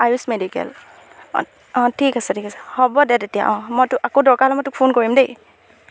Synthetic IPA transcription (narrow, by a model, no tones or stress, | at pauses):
ajusmedikɛ̰l̰ | ɔ̃tʰikasɛtʰikasɛ̥hɔbɔdɛtetija̰ʔɔ̃mɔjtʊʔakodɔɹkalɛmɔjtʊk̚pʰonkoɹimdej